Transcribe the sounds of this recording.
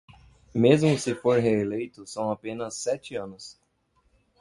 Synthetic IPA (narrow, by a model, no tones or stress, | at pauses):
mezmʊsɪfoɾɦeelejt̪ʊsɐ̃w̃apẽnɐsːɛt͡ʃɪɐ̃nʊs